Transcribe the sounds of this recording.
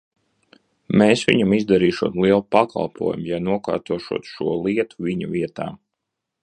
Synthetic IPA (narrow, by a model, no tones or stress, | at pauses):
meːsʋʲḭɲamizd̪aɾiːʃuɔːt̪lˠiɛlˠpaka̰lˠpuɔjmjanuɔka̰ːɾt̪uɔʃuɔt̪ʃuɔlˠiɛt̪u̥vʲiɲuvʲiɛt̪a̰ː